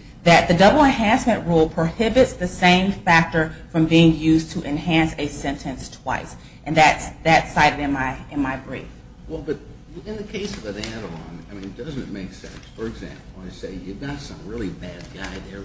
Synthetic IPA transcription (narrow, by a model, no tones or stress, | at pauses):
ðɨt̪̚ðɨdʌbl̩ˠə̃nɦæ̃nsmɨ̃nʔɹulˠpʰɹ̥əhɪbɨtsðɨsẽɪ̃ɱfæk̚tə˞fɹʌ̃mbiɪ̃ŋjʉztʰəʔɨ̃nɦæ̃nsɨsɛ̃ntʰɨ̃nstʰw̥a̰ɪs | ʔɨ̃nðɨtsðɨtsaɪɾɨɾɨ̃nmaɪɨ̃nmaɪbɹḭf | wɛlˠbʌt̚ | ɨ̃nðɨkʰeɪsʌvɨnæɾə˞ɑ̰̃naɪmĩndʌzɨ̰̃nmeɪksɛ̰̃nsfə˞ɨɡzæ̰̃mpl̩ˠaɪseɪjʉvɡɑtsʌ̰̃mɹɪlˠibæd̚ɡaɪðə˞